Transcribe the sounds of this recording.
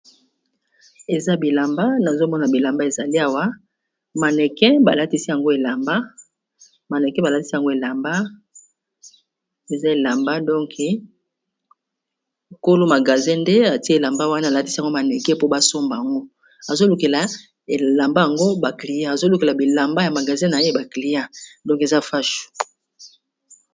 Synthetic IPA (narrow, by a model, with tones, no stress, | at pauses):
e˨za˦bi˨la˨mba˦na˨zo˦mɔ˦na˨bi˨la˨mba˦e˨za˨li˦a˨wa˦ | ma˨nɛ˨kɛ˦ba̰˨la˦ti˦si˦ja˨ŋɡo˦e˨la˨mba˦ | ma˨nɛ˨kɛ˦ba˨la˦ti˦si˦a˨ŋɡo˦e˨la˨mba˦ | e˨za˦e˨la˨mba˦dɔ̃˦kɛ˨ | ko˦lo˦ma˨ɡa˨zɛ̃˦nde˦a˨ti˦˨la˨mba˦wa˦na˦˨la˦ti̥˦si˦a˨ŋɡo˦ma˨nɛ˨kɛ˦po˦ba˦so˦mba˨a˨ŋɡo˦ | a˨zo˦lu˨ke˨la˨ | e˨la˨mba˦ja˨ŋɡo˦ba˨kli˨ja˦a˨zo˦lu˨ke˨la˨bi˨la˨mba˦ja˨ma˨ɡa˨zɛ̃˦na˨je˦ba˨kli˨ja˦dɔ̃˦ŋke˨za˦fa˦ʃu̥˨